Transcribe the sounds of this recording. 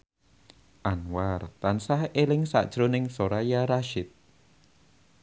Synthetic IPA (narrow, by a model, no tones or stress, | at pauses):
ʔanwart̪ansahelɪŋsa̰ʔd̥ʒ̥ɾʊnɪŋsoɾajaɾaʃɪt̪̚